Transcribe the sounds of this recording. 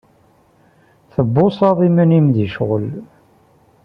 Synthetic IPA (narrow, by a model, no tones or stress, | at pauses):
θəbːʊsˤɑðˤimənimðiʃʁəl